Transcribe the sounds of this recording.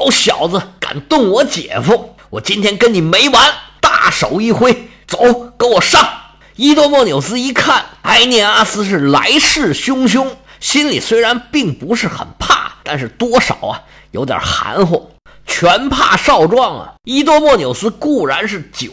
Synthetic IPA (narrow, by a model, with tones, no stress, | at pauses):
o˧˥ʊɕjɑ˨˩ʊd͡zə˦˧ka̰˨˩nt̪ʊ˥˩ŋwɔ˧˥t͡ɕjɛ̰˨˩fu˥ | wɔ˨˩t͡ɕi˥nt̪ʰjɛ˥nkə˥nni˨˩me˧˥ɪwa˧˥nt̪a̰˥˩ʂo˨˩ʊi˥˩xwe˥ɪ | t͡so˨˧˥ʊkə˧˥wɔ˨˩ʂɑ˥˩ŋ | i˥t̪wɔ˥mwɔ˥˩njo˨˩ʊsɹ̩˥i˧˥kʰa˥˩na˥ɪnjɛ˥˩a˥sɹ̩˥ʂ̬ɻ̩˥˩la̰˧˥ɪʂɻ̩˥˩ɕjʊ˥ŋɕ̬jʊ˥ŋ | ɕi˥nlḭ˨˩swe˥ɪɻa˧˥npi˥˩ŋpu˧˥ʂɻ̩˥˩xə̰˨˩npʰa̰˥˩t̪a˥˧nʂɻ̩˥˩t̪wɔ˥ʂɑ̰˨˩˦ʊɐ̰˦ | jo˧˥ʊt̪jə̰˨˩xa̰˧˥nxwɔ̰˥˩ | t͡ɕʰɥɛ˧˥npʰa̰˥˧ʂɑ˥˧ʊʈ͡ʂwɑ˥˩ŋɐ̰˩i˥t̪̬wɔ˥mwɔ˥˩njo˨˩ʊsɹ̩˥ku˥˩ɻa˧˥nʂɻ̩˥˩t͡ɕ